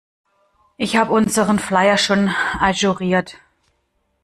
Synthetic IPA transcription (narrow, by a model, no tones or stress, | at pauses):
ʔɪçhaːbəʊnzəʁənflaɪɐʃoːnʔaʒuʁiːɐt